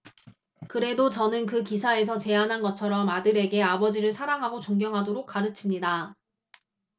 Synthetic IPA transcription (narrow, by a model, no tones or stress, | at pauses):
kɯɾe̞dot͡ɕʌnɯnkɯkisʰae̞s̬ʰʌt͡ɕe̞anɦanɡʌt͡ɕʰʌɾʌmadɯɾe̞ɡe̞abʌd͡ʑiɾɯɭsʰaɾaŋɦaɡot͡ɕoŋɡjʌŋɦadoɾok̚k͈aɾɯt͡ɕʰimɲida